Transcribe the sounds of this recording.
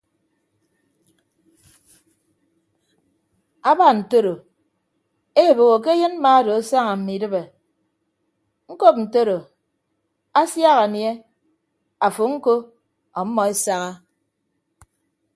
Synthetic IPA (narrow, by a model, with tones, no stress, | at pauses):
a˦ba˨n̩˨to˦ɾo˨ | e˦˨bo˨ɣo˨k̬e˦je˦nm̩˦ma˦do˨a˦sa˦ŋa˨m̩˨mi˨dɨ˦be˨ | ŋ̩˦ko˦p̚n̩˨to˦ɾo˨ | a˦sja˦ɣa˨nje˦ | a˨fo˨ŋ̩˦ko˦ | ɔ˨m̩˦mːɔ˨e˦sa˦ɣa˦